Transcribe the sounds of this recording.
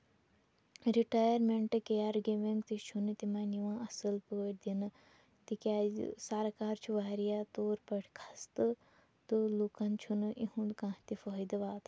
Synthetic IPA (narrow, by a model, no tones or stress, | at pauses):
ɾiʈaːjəɾmeɳʈɨkejaɾɡeʋẽŋɡt̪it͡ʃʰunɨt̪imãːniʋãːɐsɨlpəəʈd̪inɨ | t̪ikʲaːsaːɾakaːɾt͡ʃʰuʋaːɾijaːt̪oːɾpɐʈʰkʰɐst̪ɨ | t̪ɨlukɐnt͡ʃʰunɨʔiɦũkãːt̪ifoːid̪ɐʋaːt̪